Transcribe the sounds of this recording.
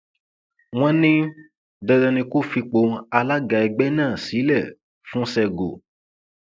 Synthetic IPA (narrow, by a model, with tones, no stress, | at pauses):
w̃ɔ̃˦nĩ˦ | dɛ˧dɔ̃˧nĩ˧ku˦˨fi˧k͡po˧a˧la˦ɡa˨˧ɛ˧ɡ͡bɛ˦nãː˦˨si˨˦lɛ˦˨ | fũ˦sɛ˧ɡo̰˨